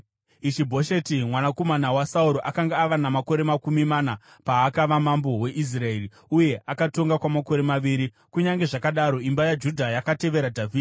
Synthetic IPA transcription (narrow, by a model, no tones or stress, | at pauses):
it͡ʃibʱo̞ʃe̞timwanako̞manawasauɾo̞ʔakaŋɡaːʋanamako̞ɾe̞makumimana | paːkaʋamambo̞we̞ʔis̬rae̞ri | uje̞ʔakato̞ŋɡakwamako̞ɾe̞maʋiːɾi | kuɲaŋɡe̞ʐakaɗaɾo̞imbajad͡ʒudʱajakate̞ʋe̞ɾadʱavʱiːd